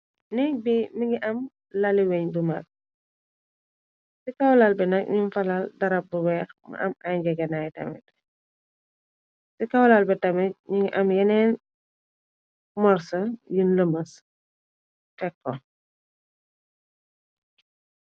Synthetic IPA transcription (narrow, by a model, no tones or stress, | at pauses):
nibimiŋɡiʔɐm | lɐliwɛɲdumak̚ | sikɐwlalbɛnɐk̚ɲunfɐlaldɐɾɐp̚buwɛːxmɐ̰ʔɐ̰mɐjɡɛɡɐnajtɐ̰mɛ̰t | sikawlalbɛtɐmɛc̚ɲiŋɡiʔɐmjɛnɛːn | mɔɾsɐjinləmɐs | tɛkːɔ